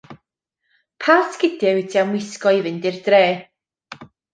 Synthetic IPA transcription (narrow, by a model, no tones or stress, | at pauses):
pʰasɡ̥ɪdɛwɛdʰiamwɪskɔɪvɨndɪrdreː